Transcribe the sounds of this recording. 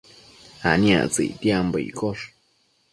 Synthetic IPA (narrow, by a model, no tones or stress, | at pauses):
ha̰nĩa̰t͡sɨ̰it̪iambəḭkʰoʂ